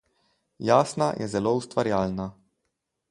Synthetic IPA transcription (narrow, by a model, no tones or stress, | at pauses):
jaːsnajʔɛ̰zɛloust̪ʋaɾjaːlna